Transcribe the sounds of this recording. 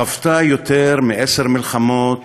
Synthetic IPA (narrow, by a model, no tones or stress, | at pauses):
aft̪ajot̪eɾmiʔeseʁmilχamot̪